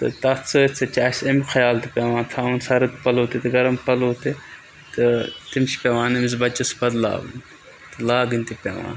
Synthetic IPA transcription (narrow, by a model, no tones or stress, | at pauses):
t̪ɨ̰t̪ɐt͡sʰɨit͡sʰɐt͡ʃaːsɐmʲixʰɐjaːlt̪ipʲeːʋãːt̪ʰaːunsɐɾɐt̪pɐloːt̪it̪ɨɡɐɾɐmpɐloːt̪i | t̪ɨt̪imt͡ʃʰi̥pʲeʋãːnɐmizbɐt͡ʃɐsbɐd̪la̰ːbɨ̰nʲ | t̪ɨlaːɡɨnʲt̪ipʲḛʋã̰ːn